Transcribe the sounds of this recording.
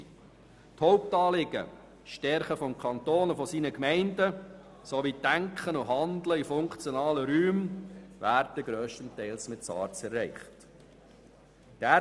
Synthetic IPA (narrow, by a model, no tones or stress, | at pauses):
thɔʊp̚tɑːlɪɡ̥ə̰ | ʃtɛɾχəfɔmkʰɑnt̪oːnufɔsiːnəkmɛɪndə | soʋid̥æŋkχənʊɦɑndləifʊŋkt͡sjɔnɑːləɾyːmvæːɾdəɡɾøːʃtəntɛɪlsmɪtt͡sɑ̰ːɾt͡sɛrːɛɪχt | d̥æ